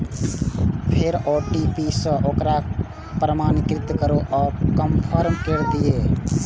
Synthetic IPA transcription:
pʰeɾoːʈipisə̃ʔoːkɾa | pɾəmaːnɪkɾɪt̪kəɾoʔɔːkəmpʰəɾmkeɾd̪ijeː

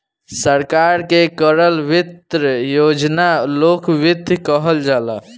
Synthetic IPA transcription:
səɾkaɾkekəɾəlʋit̪ɾəjod͡ʒnalokʋid̪ʱkəɦəld͡ʒala̰

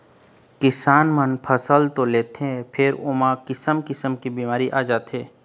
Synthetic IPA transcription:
kɪsaːnmənpʰəsəlt̪oleːt̪ɛ̃pʰɪɾʊmãkɪsəmkɪsəmkibiːmaːɾiʔaːd͡ʒaːt̪eː

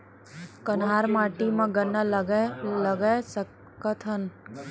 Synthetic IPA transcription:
kənɦaːɾmaːʈimãɡɐnːalləɡəsə | kət̪ʰən

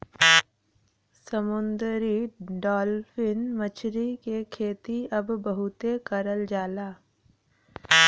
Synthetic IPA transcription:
səmʊnd̪ɾiɖɔːlfʰɪnmət͡ʃɾikekʰeːt̪iɐbːəɦʊt̪ekəɾəld͡ʒaːlaː

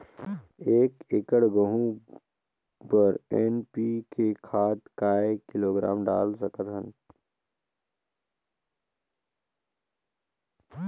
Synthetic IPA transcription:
eːkɪkəɽɡəɦũ | pəɾenpiːkekʰaːt̪kaːekɪloːɡɾa̰ːmɖa̰ːlsəkət̪ɦən

